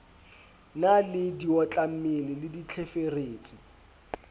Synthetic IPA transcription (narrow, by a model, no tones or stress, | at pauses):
nalɪdiɔt͡ɬʼamɪlɪlɪdit͡ɬʰefereːt͡sʼi